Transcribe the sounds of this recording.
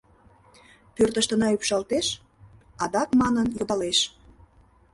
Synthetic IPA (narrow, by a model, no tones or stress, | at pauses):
pørt̪əʃt̪ənɑypʃɑlt̪eʃ | ɑd̪ɑkmɑnənjod̪ɑleʃ